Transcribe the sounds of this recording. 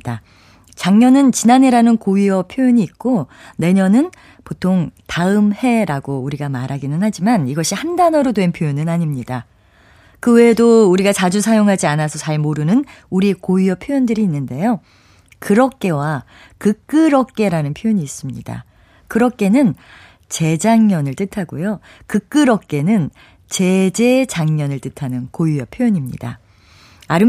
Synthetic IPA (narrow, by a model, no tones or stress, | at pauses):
da | t͡ɕaŋɲʌnɯnt͡ɕinane̞ɾanɯnkoiʌpʰjojoɲiːk̚k͈one̞ɲʌnɯn | potʰoŋtaɯmhe̞ɾaɡouɾiɡamaɾɦaɡinɯnhad͡ʑimaniɡʌɕʰihandanʌɾodwe̞npʰjojonɯnaɲimɲida | kɯwe̞ːdouɾiɡat͡ɕad͡ʑusʰajoŋɦad͡ʑianasʰʌt͡ɕaɭmoɾɯnɯnuɾikojujʌpʰjojʌndɯɾiːnːɯnde̞jo | kɯɾʌk̚k͈e̞wa | kɯk͈ɯɾʌk̚k͈e̞ɾanɯnpʰjojoɲiːs͈ɯmɲḭda̰ | kɯɾʌk͈̚e̞nɯn | t͡ɕe̞d͡ʑaŋɲʌnɯɭt͈ɯtʰaɡojo | kɯk͈ɯɾʌk̚k͈e̞nɯn | t͡ɕe̞d͡ʑe̞d͡ʑaŋɲʌnɯɭt͈ɯtʰanɯnkojujʌpʰjojʌɲimɲḭda̰ | aɾɯ